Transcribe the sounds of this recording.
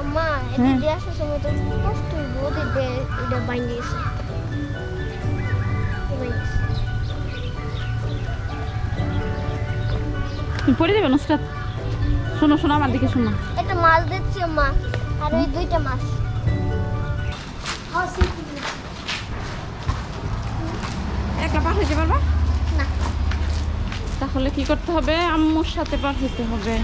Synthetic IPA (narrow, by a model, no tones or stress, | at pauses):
amːaeed̪eaʃaʃɔmɔjt̪okɔsʈojbot̪ed̪eeɖabajnɖiesa | bajnis | t̪umipoɾid̪ebenusʈat̪ | ʃonoʃonoamaɾd̪ikeʃunːaeʈamazd̪et͡ɕʰiomːaaɾejd̪ujʈamaʃ | hɔsik | ɛklapaʈɦojt̪epaɾbana | t̪aɦolekikoɾt̪eɦɔbeamːoɾʃat̪ʰepaʈɦojt̪eɦɔbe